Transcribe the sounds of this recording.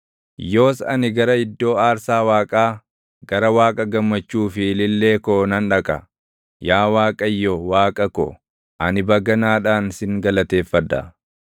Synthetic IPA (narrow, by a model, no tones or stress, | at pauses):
jo̞ːsɐ̰nɪɡɐɾɐɪd̪ːo̞ːaːɾsaːwaːkʼaː | ɡɐɾɐwaːkʼɐɡɐmːɐt͡ʃːuːfɪlɪlːe̞ːkoːnɐnᶑɐkʼɐ̰ | jaːwaːkʼɐjːɔwaːkʼɐkɔ̰ | ʔɐnɪbɐɡɐnaːᶑaːnsɪŋɡɐlɐt̪e̞ːfːɐd̪ːɐ̰